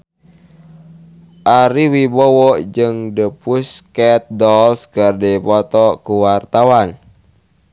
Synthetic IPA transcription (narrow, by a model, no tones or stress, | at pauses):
ʔaɾiwibɔwɔd͡ʒɨŋdəpuskɛt̪̚dɔlskərdipɔt̪ɔkuwart̪awan